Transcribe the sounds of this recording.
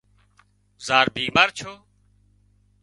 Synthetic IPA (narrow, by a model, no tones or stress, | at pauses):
zaːɾbiːmaːɾt͡ʃʰoː